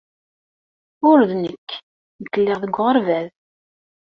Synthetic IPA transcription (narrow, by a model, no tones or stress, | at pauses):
ʊɾðnəkː | nəkːəlːɪʁðəɡʷːʁəɾvæð